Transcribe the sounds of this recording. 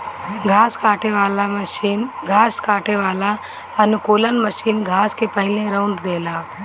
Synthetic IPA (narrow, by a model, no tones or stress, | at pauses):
ɡʱaːskaːʈeʋaːlaməʃiːnɡʱaːskaːʈeʋaːla | ɐnʊkuːlənməʃiːnɡʱaːskepəɦɪlẽɾəʊɳɖd̪eːlaː